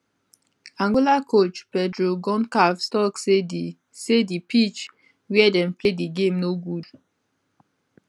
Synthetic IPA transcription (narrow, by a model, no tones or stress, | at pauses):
ãŋɡolakʰot͡ʃpɛdɹoɡɔ̃nkavstɔksei | sedipʰit͡ʃ | wɛdɛ̃mplediɡẽmnoɡud